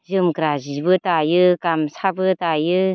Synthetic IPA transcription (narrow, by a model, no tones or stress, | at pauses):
zɯmkɾazibɯtajɯkamsabɯtajɯ